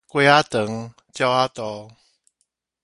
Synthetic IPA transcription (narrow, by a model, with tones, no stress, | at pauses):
kʷwe˧˦a˦t̪ə˨˦ŋ | t͡ɕja˧wa˦t̪ɔ˧˦